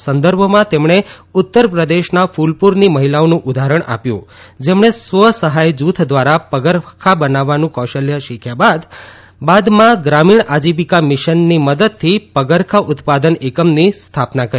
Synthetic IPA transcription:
sənd̪əɾbʱəmãt̪emɳe | ʊt̪ːəɾpɾəd̪eʃnafulpuɾniməɦilaonũʔʊd̪ʱaɾəɳʔa̰pjṵ̃ | d͡ʒemɳesʋəsəɦajd͡ʒut̪ʰd̪ʋaɾapəɡəɾkʰabənaʋːanũkɔʃəljəʃikʰjabad̪ | bad̪mãɡɾamiɳad͡ʒibikamɪʃənːiməd̪əd̪̚t̪ʰipəɡəɾkʰaʔʊt̪pad̪ənekəmnist̪ʰapnakəɾ

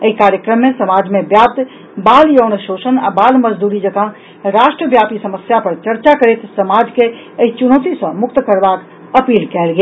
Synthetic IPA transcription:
əikaːɾjəkɾəmːẽsəmaːd͡ʒmẽbjaːp̚t̪ | baːljoːnəʃoːʃəna̰baːlməd͡ʒd̪uːɾid͡ʒəɡã | ɾaːʃʈɾəbjaːpisəməsjapɐɾt͡ʃəɾt͡ʃakəɾeːt̪səmaːd͡ʒke | əit͡ʃʊnoːt̪isɐ̃mʊk̚t̪kəɾbaːk | əpiːlkɛːlɡe

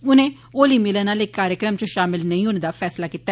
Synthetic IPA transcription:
ʊnẽː | oːliːmɪlənaːleːkːaːɾjəkɾəmt͡ʃõːʃaːmɪlnəĩːɦoːneːd̪aːpʰɛːslaːkiːt̪ːa

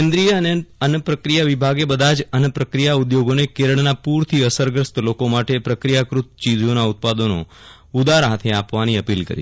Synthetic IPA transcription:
kẽnd̪ɾijəəneənpɾəkɾijaʋibʱaɡebəd̪ʱad͡ʒənpɾəkɾijaud̪joɡonekeɾəɳnapuɾt̪ʰiəsəɾɡɾəst̪lokomaʈepɾəkɾijakɾut̪t͡ʃid͡ʒonaut̪̚pad̪onõ̰ | ud̪aɾɦat̪ʰeapʋaniəpilkə̰ɾḭ

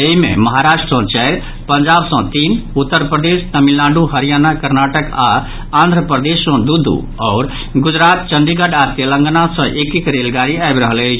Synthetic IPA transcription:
eɦimḛməɦaɾasʈɾə̃t͡ʃɛjɾ | pənd͡ʒabsə̃t̪inut̪ːəɾpɾəd̪est̪əmilːãɳɖuɦəɾijanakəɾnaʈəka | ãnd̪ʱɾəpɾəd̪esːə̃d̪ud̪ʱːṵ | ɔʊɾ | ɡud͡ʒɾat̪̚t͡ʃənɖ̪iɡəɖat̪elə̃ŋɡnasə̃ʔekikɾelɡaɾiaebɾəɦələt͡ʃʰ

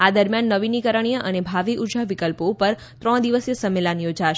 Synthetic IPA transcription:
ad̪əɾmjanːəʋinikəɾəɳ̃ijəʔənebʱaʋiʔud͡ʒaʋikəlpoupəɾ | t̪ɾəɽ̃d̪iʋəsjəsəmːelanjod͡ʒaʃ

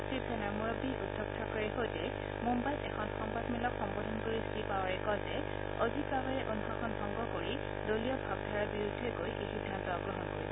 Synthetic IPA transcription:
sɹibʰʱɛnaɹmuɹɔbiʔudʰʱɔk̚tʰakɔɹɛɦojtɛ | mumbajʔɛkʰɔnxɔmpasmilɔkxɔmbodʱɔnkoɹiskipawaɹɛkɔzɛ | ɔzipabɛɹɛʔonkʰakʰɔnbʱɔŋɡɔkoɹi | dolijɔbʱaɡ̚dʱaɹabiɹudʱːɛkojʔexidʱːantɔaɡɹɔɦɔnkoɹibɔ

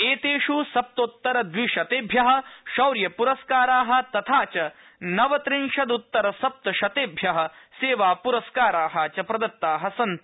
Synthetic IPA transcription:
eːt̪eːʃusɐp̚t̪ot̪ːɐɾɐd̪ʋiʃɐt̪eːbʱjɐɦɐ̆ʃɐwɾjɐpuɾɐskaːɾaːɦɐ̆t̪ɐt̪ʰaːt͡ʃɐ | nɐʋɐt̪ɾinʃɐd̪ut̪ːɐɾɐsɐp̚t̪ɐʃɐt̪eːbʱjɐɦɐ̆seːʋaːpuɾɐskaːɾaːɦɐt͡ʃɐpɾɐd̪ɐt̪ːaːɦɐsɐnt̪

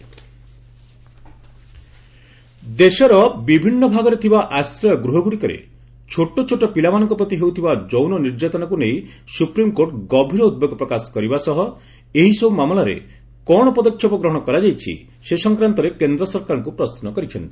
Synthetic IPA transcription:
d̪esɔɾɔbibʱinːɔbʱaɡɔɾet̪ʰibaʔasɾɔjɔɡɾuɦɔɡuɽikɔɾḛ | t͡ʃʰoʈot͡ʃʰoʈɔpilamanɔŋkɔpɾɔt̪iɦewt̪ʰibad͡ʒownɔniɾd͡ʒat̪ɔnakunej | supɾimkoɾʈɡɔbʱiɾɔud̪̚beɡɔpɾɔkasɔ̥kɔɾibasɔɦɔ | eɦisɔumamlaɾḛ | kɔɽ̃ɔpɔd̪ɔkʰjɔpɔɡɾɔɦɔ̃ɽ̃ɔkɔɾad͡ʒajt͡ʃʰḭ | sesɔŋkɾant̪ɔɾekend̪ɾɔsɔɾkaɾɔŋkupɾɔsnɔkɔɾit͡ʃʰɔ̰nt̪i

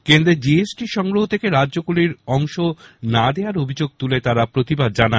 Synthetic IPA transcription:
kend̪ɾed͡ʑiesʈiʃɔŋɡɾoɦot̪ʰekeɾadːʑokuliɾɔŋʃonad̪eaɾobʱid͡ʑoɡ̚t̪ulet̪aɾapɾot̪ibad̪̚d͡ʑana

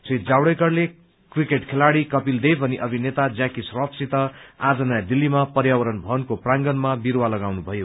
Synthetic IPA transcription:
sit̪d͡zawɽʌjkʌrle | krikeʈkʰelaɽikʌpild̪ejbʱʌniʔʌbʱinet̪ad͡zjakisrʌp̪sit̪ʌad͡zʌnajd̪ilːimapʌrjawʌɾʌnbʱʌnkoprãŋɡʌnmabiɾwalʌɡawnubʱʌjo

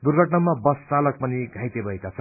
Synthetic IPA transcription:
d̪urɡʱʌʈnʌmabʌst͡salʌk̚pʌniɡʱajt̪ebʱʌjkat͡sʰʌ

